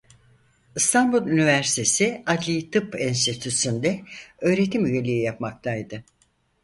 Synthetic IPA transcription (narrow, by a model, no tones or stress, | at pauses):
ɯst̪ʰanbulˠynivæɾst̪ʰe̞siad̪lʲit̪ʰɯpinst̪ʰit̪ʰysynd̪ɛø̞ːɾe̞t̪ʰimyjelʲijijapmak̚t̪ʰajd̪ɯ